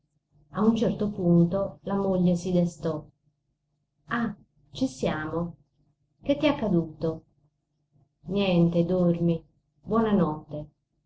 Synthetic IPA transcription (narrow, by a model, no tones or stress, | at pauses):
aunt͡ʃɛrt̪opunt̪olamoʎːesid̪est̪ɔ | a | t͡ʃisjaːmo | k̟et̪ːiakːad̪uːt̪o | njɛnt̪ed̪ormi | bwɔnanɔt̪ːe